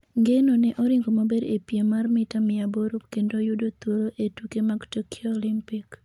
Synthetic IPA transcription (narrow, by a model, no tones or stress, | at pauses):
ŋɡenoneʔɔɾiŋɡomobeɾepjemarmɪtamɪaboɾopkendojʊdot̪oɾoʔetukemaɡtokʰioːlimpik